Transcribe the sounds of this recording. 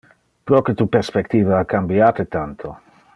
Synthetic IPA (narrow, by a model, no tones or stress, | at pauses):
pɾɔket̪upeɾspekt̪iːvaakambjaːt̪et̪ant̪ʰo